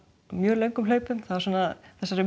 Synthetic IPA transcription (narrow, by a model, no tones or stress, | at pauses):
mjœːlœɥŋkʏmleːɥpʏmθaðasuːnaðθɛsːaɾɪ